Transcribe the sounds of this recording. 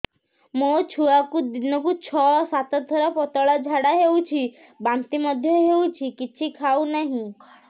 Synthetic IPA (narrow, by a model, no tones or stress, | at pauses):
mot͡ʃʰuakud̪inəkut͡ʃʰɔsat̪at̪ʰːəɾapɔt̪əɭad͡ʒʱaɽaɦeũt͡ʃʰi | bãnt̪iməd̪ʱjeɦeut͡ʃʰikit͡ʃʰikʰaunəɦĩ